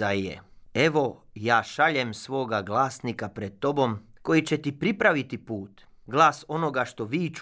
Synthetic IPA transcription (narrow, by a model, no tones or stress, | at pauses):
aḛe̞ʋo̞jaːʃaʎemsʋo̞ːɡaɡlˠaːsnikapɾed̪̚t̪ːo̞bo̞mko̞jit͡ɕet̪ipɾipɾaʋit̪ipuːt̪ | ɡlˠaːso̞no̞ɡaʃt̪o̞ʋiːt͡ʃ